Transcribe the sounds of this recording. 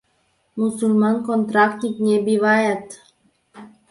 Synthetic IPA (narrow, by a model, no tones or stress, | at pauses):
musulmankont̪ɾakt̪niknʲebiʋajat̪